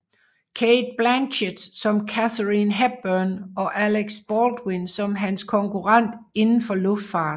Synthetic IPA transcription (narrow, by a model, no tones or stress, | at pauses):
kʰed̥̚b̥lænɕed̥sɒ̽mkʰæθəʁinɦæb̚b̥œːnɒ̽ʔæleɡ̥sb̥ɒːld̥winsɒ̽mɦænskʰɒ̽ŋkʰuʁɑn̰d̥ | e̝nn̩fɒ̽lɔ̽fd̥fɑ̈ːd̥